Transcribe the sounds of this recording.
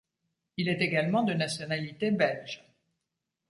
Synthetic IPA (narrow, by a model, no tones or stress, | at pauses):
ilɛt̪eɡalmɑ̃d̪ənasjɔnalit̪ebɛlʒ